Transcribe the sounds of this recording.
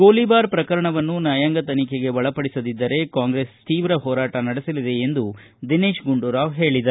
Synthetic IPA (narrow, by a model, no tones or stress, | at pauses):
ɡoːlibaːɾpɾɐkɐɾɐɳɐʋɐnːunaːjaŋɡɐt̪ɐnikeɡe̞ʋɐɭɐpɐɽisɐd̪id̪ːɐɾe̞kaːŋɡɾeːst̪iːʋɾɐɦɔːɾaːʈɐnɐɽisɐlid̪e̞ːnd̪u | d̪ineːʃɡuɳɖuɾaːʋɦe̞ːɭid̪ɐɾu